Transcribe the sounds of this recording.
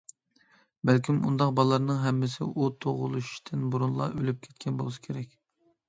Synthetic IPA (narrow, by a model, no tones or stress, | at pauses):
bælkʲimṵnd̪ɑq̚bɑlˠːɑɾnɨŋɦɛmːɪsɪ̰ʔut̪ʰoʁʊ̰lˠuʃt̪ʰɪnbuɾunlˠɑ̰ʔølyp̚kʲʰɛ̥t̪̚kʲɛnbolˠɨsɨ̥kʲʰeɾɛkʲ